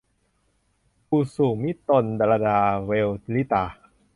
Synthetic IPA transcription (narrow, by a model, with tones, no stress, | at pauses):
pʰuː˧˩suː˨˩mi˦˥t̪ːo˧nda˧la˧daː˧we˧wli˦˥t̪aː˧